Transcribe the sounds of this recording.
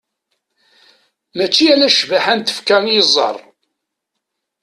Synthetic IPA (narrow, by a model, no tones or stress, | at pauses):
mæt͡ʃːiælæʃvaħænt̪ə̥fkæŋəzˤːɑ̰ɾˤ